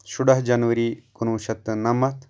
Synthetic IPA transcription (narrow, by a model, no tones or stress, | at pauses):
ʃʊɽɐɦd͡ʒɐnʋəɾiːkunũːʃɐt̪ːnɐmɐt̪